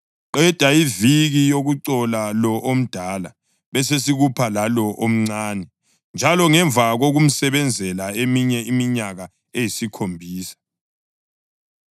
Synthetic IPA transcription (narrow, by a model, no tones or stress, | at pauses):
ǃɛd̥ʱaiviɣijoɣuǀɔlalɔʔom̩d̥ʱala | βɛses̬iɣupʰalalɔʔom̩ŋ͡ǀaːnɛ | nd͡ʒʱalɔŋɛɱbvʱaɣoɣum̩sɛβɛnd͡zʱɛlaemiɲɛimiɲaɣa | ejisikʰombʱiːsḁ